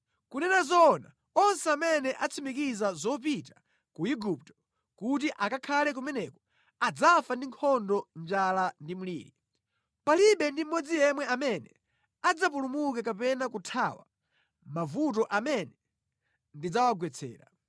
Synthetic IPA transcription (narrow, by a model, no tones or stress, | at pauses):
kunɛnazɔna̰ | ɔnsɛamɛnɛʔat͡sʰimikizazɔp̬ita | kuiɡup̚tɔ̥ | kut̬iʔakakʰalɛk̬umɛnɛkɔ̥ | ad͡zafandiŋkʰɔndɔnd͡ʒalandimulḭːɾi | paliɓɛndim̩mɔd͡zijɛmwɛamɛnɛ̰ | ad͡zap̬ulumukɛkapɛnakutʰawa̰ | mavut̬ɔʔamɛnɛ | ndid͡zawaɡwɛt͡sʰɛ̰ːɾa̰